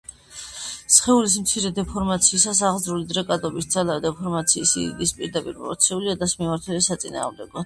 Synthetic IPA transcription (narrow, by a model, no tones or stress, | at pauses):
sχɛulis̬mt̪sʰiɾɛd̪ɛpʰɔɾmat̪sʰiːsasaʁzɾulid̪ɾɛkʼad̪ɔbisd̪zalavɛd̪ɛpʰɔɾmat̪sʰiːsḭḭd̪ispʼiɾd̪apʼḭɾpʼɔɔɾt̪sʰiuliad̪asmimaɾt̪ʰwɛlisat̪sʼina̰ːmd̪ɛ̰ɡɔ